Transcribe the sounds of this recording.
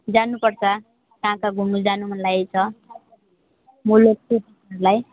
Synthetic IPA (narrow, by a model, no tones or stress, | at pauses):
d͡zanupʌrt͡sʰʌ | t̪ãkaɡʱumud͡zanum̤ʱʌnlajejt͡sʰʌ | mulok̚tut | ɾlaj